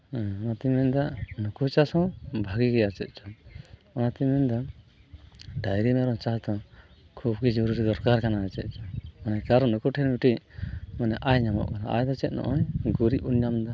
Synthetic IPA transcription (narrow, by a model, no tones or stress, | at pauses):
ɔnat̪imɛɲd̪anukut͡ʃasɔ̃bʱaɡiɡɛat͡ʃɛt̪̚ˀt͡ʃɔɔnat̪imɛnd̪ɔ | ɖajɾimɛɾɔt͡ʃasd̪ɔ | kʰub̚ɡid͡ʒɔɾuɾid̪ɔɾkaɾkanaɛt͡ʃɛ̰t̪̚ˀt͡ʃɔmanɛkaɾɔnukuʈʰɛnbiʈiʔmanɛʔajɲamɔ̰ʔkana̰ʔa̰jd̪ɔt͡ʃɛt̪̚nɔ̰ʔɔjɡuɾiʔunɲamd̪ɔ